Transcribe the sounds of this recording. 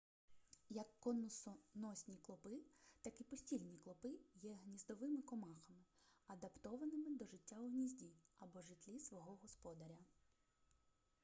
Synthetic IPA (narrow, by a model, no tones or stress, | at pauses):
jɐkːɔnʊsɔnɔsʲnʲiklˠɔpɪt̪ɑkipɔsʲtʲilʲnʲiklˠɔpɪjɛɦnʲizd̪ɔʋɪmɪkɔmɑxɐmɪɐd̪ɐpt̪ɔʋɐnɪmɪd̪ɔʒɪtʲːaʊɦnʲizʲdʲiɐbɔʒɪt̪ʲlʲisʋɔɦɔɦɔspɔd̪ɐɾʲɐ